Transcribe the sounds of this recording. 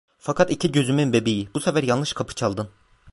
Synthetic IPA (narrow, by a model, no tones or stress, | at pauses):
fakʰat̪icʰiɟø̞zymynbebijibusɛfæɾjalˠnɯʃkʰapʰɯ̥t͡ʃʰalˠd̪ɯn